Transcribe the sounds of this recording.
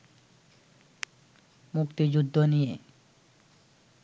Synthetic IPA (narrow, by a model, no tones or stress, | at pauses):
mukt̪id͡ʑud̪ʱːonije